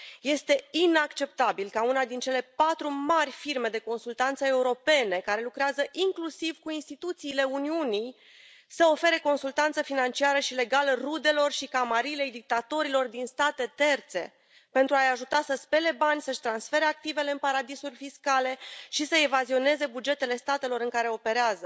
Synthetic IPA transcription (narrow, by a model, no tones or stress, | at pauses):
je̞st̪e̞inakt͡ʃe̞p̚t̪abilkaunad̪int͡ʃe̞le̞pat̪ɾumarʲfirme̞d̪e̞ko̞nsult̪ant̪səe̞uɾo̞pe̞ne̞kaɾe̞lukɾeazəʔiŋklusivkuinst̪it̪ut̪siːle̞uniunij | səo̞fe̞ɾe̞ko̞nsult̪ant̪səfinant͡ʃiaɾəʃile̞ɡalrud̪e̞lo̞rʃikamaɾile̞jd̪ik̚t̪at̪o̞ɾilo̞rd̪inst̪at̪e̞t̪e̞rt̪se̞̰ | pe̞nt̪ɾuajaʒut̪asəspe̞le̞banʲsəʃt̪ɾansfe̞ɾe̞ak̚t̪ive̞le̞ɨnpaɾad̪isurʲfiskale̞ʃisəevazio̞ne̞ze̞bud͡ʒe̞t̪e̞le̞st̪at̪e̞lo̞ɾɨŋkaɾe̞o̞pe̞ɾeazə